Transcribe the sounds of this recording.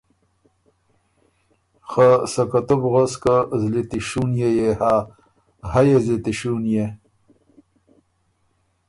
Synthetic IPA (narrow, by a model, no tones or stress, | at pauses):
xasɐkɐt̪ubɣoskazlit̪iɕuːnjejeha | hɐjezit̪iɕunje